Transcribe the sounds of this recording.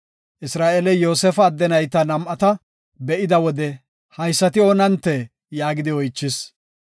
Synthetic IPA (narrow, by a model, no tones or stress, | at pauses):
ʔɪsɾaːʔeːlɛjo̞ːsɛfɐːd̪ːɛnɐjt̪ːɐnɐmʔɐt̪ɐ | bɛʔɪd̪ɐwɔd̪ɛ | hɐjsːɐt̪ɪo̞ːnɐnt̪ːɛ | jaːɡɪd̪ɪɔjt͡ʃːɪs